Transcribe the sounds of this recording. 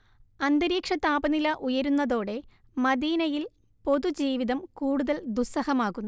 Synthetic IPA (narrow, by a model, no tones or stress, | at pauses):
ɐnd̪ɐɾiːkʂɐt̪ːaːbɐnilɐʔujɐɾunːɐðo̞ːɽe̞ | mɐðiːnɐjil | po̞ðud͡ʑiːʋiðɐmkuːɽuðɐld̪usɐhɐmaːɣunːu